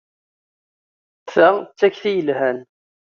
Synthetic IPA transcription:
θæt͡sːæçθijəlhæn

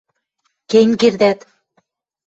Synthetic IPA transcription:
keŋkerd̪æt̪

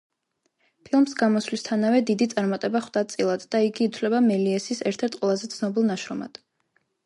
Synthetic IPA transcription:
pʰilˠmsɡamɔslist̪ʰanavɛd̪id̪it̪sʼaɾmat̪ʼɛbaχwd̪̥at̪t̪sʼilˠad̪d̪aiɡiːt̪ʰvlɛbamɛliɛsisɛɾt̪ʰɛɾt̪̚ʰʼqʼwɛlˠazɛt̪sʰnɔbilˠnaʃɾɔma̰d̪̥

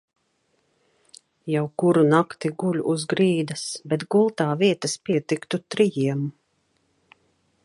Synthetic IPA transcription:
jawkuɾunakt̪iɡulʲʔuzɡɾiːd̪asbɛt̪ɡulˠt̪aːviɛt̪aspʲiɛt̪ikt̪ut̪ɾijiɛm

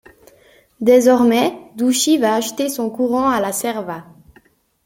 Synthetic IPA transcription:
d̪ezɔʁmɛd̪uʃivaːʒt̪esɔ̃kuʁɑ̃alasɛʁva

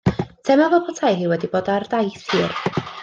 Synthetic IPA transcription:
tʰɛmavɔpʰɔtʰajɦiːwɛdiboːdardajθhiːr

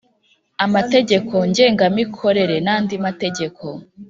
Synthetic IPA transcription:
amate̞ɟe̞kʰo̞ɲɟe̞ːŋɡamikʰo̞ɾe̞ɾe̞naːndimate̞ɟe̞kʰo

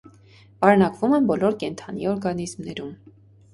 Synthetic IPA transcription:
vɑɾɛnɑkvumɛnbɔlɔɾkɛnt̪ʰɑniɔɾɡɑnizmnɛɾum

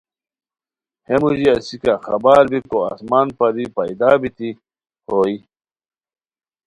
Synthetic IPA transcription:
hemuʑiɐsikaxɐbaːɾbikoa̰smaːnpɐd̪ipɐjd̪aːbit̪i | hoːi

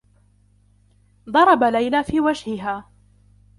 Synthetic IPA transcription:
d̪ˤɑɾˤɑbalajlaːfiːwad͡ʒhɪɦaː

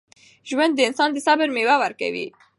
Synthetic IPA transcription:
ʒwand̪ːəɪnsɑːnd̪əsabəɾmewawaɾka̰wḭ

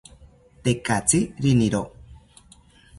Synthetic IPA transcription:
t̪ekat͡siɾiniɾo

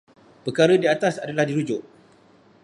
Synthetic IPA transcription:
pəkaɾədiat̪asadalahdiɾud͡ʒʊʔ

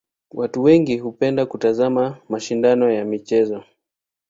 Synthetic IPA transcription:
watuwɛŋɡiɦupɛndakutazamamaʃindanɔjamit͡ʃɛzɔ

